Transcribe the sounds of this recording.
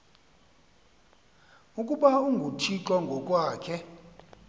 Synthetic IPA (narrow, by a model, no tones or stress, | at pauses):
ukʼuɓauŋɡʱutʰiǁwaŋɡʱɔkʼwaːkʰɛ